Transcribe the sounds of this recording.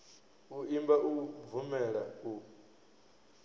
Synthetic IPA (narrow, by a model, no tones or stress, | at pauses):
uimbaʔuvumɛɺau